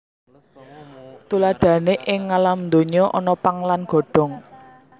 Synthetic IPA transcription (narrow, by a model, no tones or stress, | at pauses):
t̪ulaɖ̪̥ä̤neʔɪŋːalamnd̪oɲɔʔɔnɔpaŋlanɡ̥ɔ̤ɖ̥ɔ̤ŋ